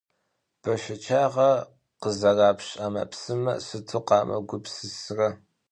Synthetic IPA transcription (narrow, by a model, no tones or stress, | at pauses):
b̥ɐʃɐt͡ʃʰaːʁɐ | qəzɐraːpɕʼamɐ̰psɨmɐ̰sɨtʰuqɑːmʔɐ̰ɡʷʊpsɨsrɐ